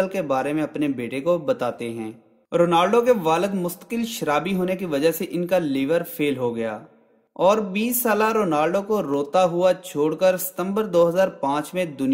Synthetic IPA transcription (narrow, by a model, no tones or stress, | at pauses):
lkebaːɾemẽɐpnebeːʈekobɐt̪aːt̪eɦɛ̃ː | ɾoːnaːlɖokeʋaːləd̪mʊst̪ə̥kɪlʃəɾaːbiɦoːnekiʋɐd͡ʒəɦseʔɪnkalɪːʋəɾpʰeːlɦoɡɐja̰ː | ɔːɾbiːsːaːlaɾoːnaːlɖokoɾoːt̪aɦʊat͡ʃʰoːɽkəɾsɪ̥t̪ə̃mbəɾd̪oːɦəzaːɾpãːt͡ʃmẽd̪ʊn